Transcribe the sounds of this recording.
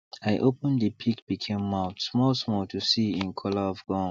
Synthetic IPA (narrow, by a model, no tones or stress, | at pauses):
aɪʔopə̃ndəpʰikb̥ikʰẽmːaʊtsmɔlsmɔltʰusiɪ̃nkʰɔləɔvɡ̥ɔ̃